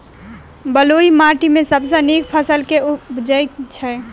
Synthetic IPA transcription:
bəloimaːʈimẽsəbsənekpʰəsəlked͡ʒəjt͡ʃʰɛ

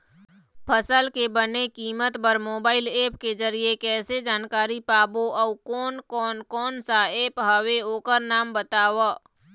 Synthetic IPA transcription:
pʰəsəlkebənekiːmət̪pəɾmoːbaːɪleːpked͡ʒəɾiekɛːsed͡ʒaːnkaːɾipaːboʔɔukɔːnkɔːnkɔːnsaeːpɦəʋeoːkəɾnaːmbət̪aːʋaː

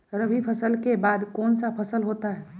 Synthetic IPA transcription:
ɾəbʱipʰɐsəlkebaːd̪kɔːnsapʰɐsəlɦoːt̪aɦɛː

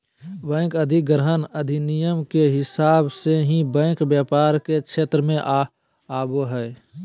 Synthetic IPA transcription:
bɛ̃ːkəd̪ʱiɡɾəɦənəd̪ʱinijəmkeɦɪsaːbseɦĩbɛ̃ːkbjaːpaːɾkekʰeːt̪ɾəmẽʔ | aːboɦɛː

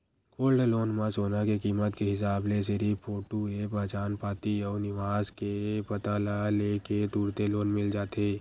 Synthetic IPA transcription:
koːlɖloːnmasoːnakekiːmət̪keɦɪs̬aːbles̬eɾipʰoːʈuepəːt͡ʃaːnpaːt̪iɔːnɪʋaːzkepɐt̪alaleːked̪uːɾt̪eloːnmɪld͡ʒaːt̪eː

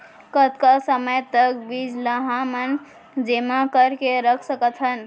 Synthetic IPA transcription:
kət̪kasəməjt̪ək̚bid͡ʒləɦãmən | d͡ʒemãkəɾkeɾəkʰsəkət̪ʰɦən

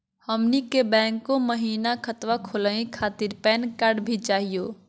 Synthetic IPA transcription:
həmnikebɛ̃ːŋkːoməɦiːnakʰət̪wakʰʊləĩkʰaːt̪ɪɾpɛːnkaɾɖbʱit͡ʃaːɦijoː

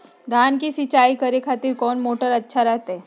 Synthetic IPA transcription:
d̪ʱaːnkisit͡ʃaːikəɾekʰaːt̪iɾkɔːnmoːʈəɾɐtːʃʰaɾɛɦt̪ɦɛ

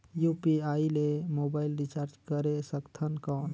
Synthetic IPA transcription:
jupiailemobailɾit͡ʃaɾd͡ʒkəɾesəkt̪ʰənkɔːn

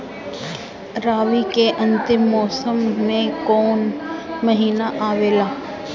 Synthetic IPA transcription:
ɾaːʋikeʔɐ̃nt̪ɪmːɔːsəmːẽkɔːnmɐɦiːnaʔaːʋeːlaː

